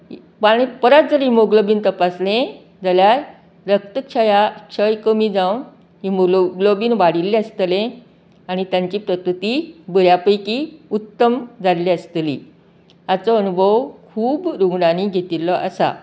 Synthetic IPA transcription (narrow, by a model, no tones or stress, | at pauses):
paipəɾat̪̚d͡zəɾɦimoɡləbiːnt̪əpaslẽ | d͡zaljaɾ | ɾək̚t̪əkɕʰəjaɕəjkəmiːd͡zãw | ɦimolɡləbiːnʋaɽilːẽəst̪lẽ | aɽ̃it̪jaɲt͡ɕiːpɾəkɾut̪ibəɾjapəjkiut̪ːəmd͡zallẽəst̪lḭ | at͡sɔənubʱəʋkʰuːbɾuɡɽañiɡʱet̪ilɔʔa̰sa̰